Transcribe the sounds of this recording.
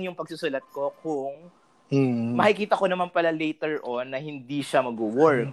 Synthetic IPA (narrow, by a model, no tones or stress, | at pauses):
ŋjʊŋpɐɡ̚sʊsʊlɐt̪̚ko̞kʊŋ | mɐkɪkiːt̪ɐkonɐmanpɐlalɛjt̪ɛɹʔonːɐhɪnd̪iʃamɐɡʊwɔɹk